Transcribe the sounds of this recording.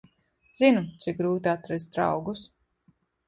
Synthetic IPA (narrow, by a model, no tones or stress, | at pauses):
z̥inut̪sik̚ɡɾuːt̪iat̪ɾɛzd̪ɾa̰wɡus